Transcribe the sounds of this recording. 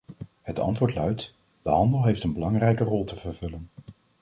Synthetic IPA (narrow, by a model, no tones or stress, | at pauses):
hətʰɑ̰ntʋʊːɹtlœɥt | d̥əɦɑndəlˠɦejftənbəlɑŋrɛjkərɔlˠtəv̥əɹv̥ɵlən